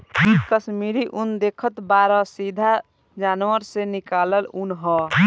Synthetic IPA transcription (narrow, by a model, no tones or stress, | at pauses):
ikəsmiɾiʔund̪ekʰət̪baɾɔsid̪ʱa | d͡ʒanwəɾsenikaləlunɦɔ